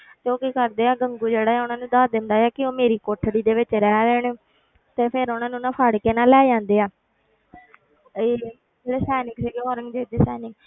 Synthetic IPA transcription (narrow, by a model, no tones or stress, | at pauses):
t̪eːoːkiːkəɾd̪eːaːɡəŋɡuːd͡ʒeːɽaːɛːʊnãːnũːd̪aːd̪ɪnd̪aːɛːkɪoːmeːɾiːkoːʈʰɽiːd̪eːʋɪt͡ʃɾɛːɾɛːɳː | t̪eːpʰɪɾʊnãːnũːnãːpʰaːɽkeːnaːlɛːd͡ʒãːnd̪eːaː | eː | d͡ʒeːɽeːsɛːnɪŋɡsiːɡeːɔːɾəŋɡd͡ʒeːd̪eːsɛːnɪŋɡ